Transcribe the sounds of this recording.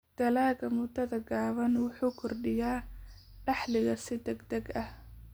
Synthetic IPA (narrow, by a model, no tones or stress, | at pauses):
d̪̥ɐlaːɣɐmʊd̪ɐðɐɡaːβɐnwʊħuːkʰʊrɖɪjaː | ɖɑħlɪɣɐsɪd̪ɛɡd̪ɐɡɐh